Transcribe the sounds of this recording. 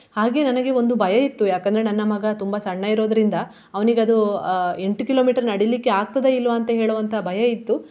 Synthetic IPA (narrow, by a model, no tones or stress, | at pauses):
haːɡe̞nɐnɐɡe̞o̞nd̪ubʱɐjɐit̪ːujaːkɐnd̪ɐɾenɐnːɐmɐɡɐt̪umbɐsɐɳːɐiɾo̞ːd̪ɐɾind̪ɐ | ɐʋɐniɡeɐd̪ue̞ɳʈukilo̞ːmiːʈɐɾnɐɽilikːeaːɡ̚t̪ɐd̪eilːʋɐːnt̪ɐɦe̞ːɭuʋɐnt̪ʰɐbʱɐjɐit̪ːu